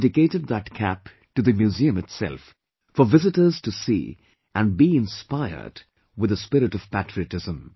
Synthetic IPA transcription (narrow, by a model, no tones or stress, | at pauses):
dɨkeɪɾɨd̪̚ðət̚kʰæp | tɨðɨmjʉziɨ̃mɨtsɛ̰lˠf | fə˞vɪzɨtə˞z̥tɨsḭː | ʔæ̃nbiɪ̃nspaɪə̰˞d | wɨðəspɪɾɨtʌv̥pætɹ̥iɨtɪzə̃m